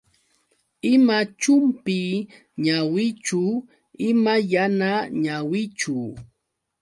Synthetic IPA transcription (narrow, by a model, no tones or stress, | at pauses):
ɪmat͡ʃʊmpi | ɲawɪt͡ʃʊ | ɪmajanaɲawɪt͡ʃʊ